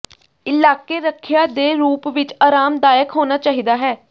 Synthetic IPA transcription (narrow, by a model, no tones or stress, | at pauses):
ɪlaːkeːɾəkʰːjaːd̪eːɾuːpʋɪt͡ʃaːɾaːmd̪aːjəkɦoːnaːt͡ʃaːɦiːd̪aːɦɛː